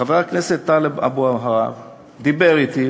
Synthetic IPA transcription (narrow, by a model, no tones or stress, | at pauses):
aveakneset̪ːaleba̰buaɦaʁa̰v | d̪ibe̞ʁit̪i